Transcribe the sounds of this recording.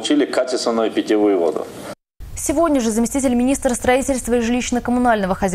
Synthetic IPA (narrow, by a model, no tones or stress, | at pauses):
t͡ɕilʲɪkat͡ɕʲɪst̪vənəjʊpʲɪtʲivɨjʊvo̰d̪ʊ̰ | sʲɪvodʲnʲəʐɨzəmʲɪsʲtʲitʲɪlʲmʲɪnʲist̪ɾəst̪ɾɐitʲɪlʲst̪vəiʐɨlʲiɕnəkəmʊnalʲnəvəxɐzʲ